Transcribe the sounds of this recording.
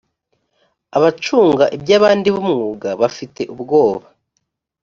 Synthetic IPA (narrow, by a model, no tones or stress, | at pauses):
aβat͡ʃuːŋɡaʔibjaːβaːndiβumŋuːɡaβafitʰe̞ʔubɡo̞ːβa